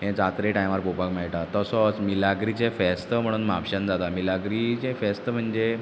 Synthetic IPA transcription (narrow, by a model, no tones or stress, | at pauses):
ɦẽd͡zat̪ɾeʈajmʋaɾpopakmaɭʈ̪at̪əsɔt͡smilaɡɾit͡ɕẽfɛst̪əm̤əɽ̃uːnmapɕənd͡zat̪amilaɡɾit͡ɕẽfest̪əm̤əɳd͡ʑe